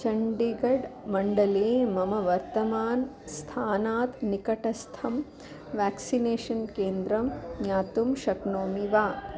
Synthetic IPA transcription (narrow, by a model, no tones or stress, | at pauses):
t͡ʃɐɳɖiɡɐɖmɐɳɖɐleːmɐmɐʋɐɾt̪ɐmaːn | st̪ʰaːnaːt̪nikɐʈɐst̪ʰɐm | ʋaːksineːʃɐnkeːnd̪ɾɐmɲaːt̪umʃɐknoːmiʋaː